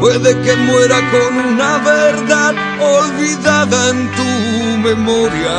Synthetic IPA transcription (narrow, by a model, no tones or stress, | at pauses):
pweðekemweɾakonunaβeɾðað | olβiðaðaẽnt̪u | memɔɾja